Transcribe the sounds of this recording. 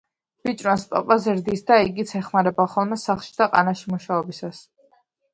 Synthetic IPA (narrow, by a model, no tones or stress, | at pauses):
b̥it͡ʃʼɾɔnsp̪ʼɔ̰pʼazɛɾd̪isd̪aiɡit̪sʰɛχmaɾɛbaχɔlˠmɛsaχʃid̪aqʼa̰naʃimuʃaɔbisas